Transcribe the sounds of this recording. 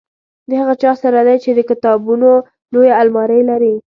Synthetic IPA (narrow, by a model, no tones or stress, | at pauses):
d̪əhaɣat͡ʃɑsaɾad̪ajt͡ʃed̪əkɪt̪ɑbuno | lojaalmɑɾəjlaɾi